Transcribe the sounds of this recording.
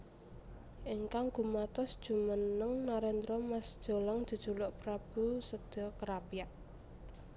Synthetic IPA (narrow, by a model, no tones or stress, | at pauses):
ʔiŋkaŋɡ̥umat̪ɔsd̥ʒ̥ṳmənəŋnaɾɛnd̪ɾɔmasd̥ʒ̥o̤lɔŋ̥ʒ̥ṳd̥ʒ̥ṳlʊʔpɾab̥ṳsəd̪̥ɔ̤kəɾapijaʔ